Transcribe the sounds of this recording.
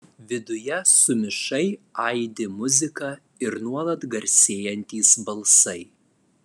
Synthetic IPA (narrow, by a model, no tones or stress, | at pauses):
ʋʲɪd̪ʊjɛsʊmʲɪʃɐɪɐɪd̪ʲɪmʊzʲɪkɑː | ɪɾnuɔlˠɐt̪ɡɐɾʲsʲeːjɛnʲt̪ʲiːsbɐlˠsɐɪ